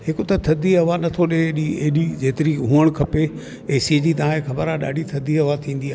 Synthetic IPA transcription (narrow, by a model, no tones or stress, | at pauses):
hɪkʊt̪ɐt̪ʰɐd̪ʱiɦɐʋanɐt̪ʰoɗeɗieɦɗid͡ʑeːt̪ɪɾiɦũːəɽ̃kʰɐpe | eːsied͡ʑiːt̪ɐʋ̤ãekʰɐbəɾaɗa̰ːɖʱit̪ʰɐd̪ʱiɦɐʋat̪ʰĩːn̆d̪iaː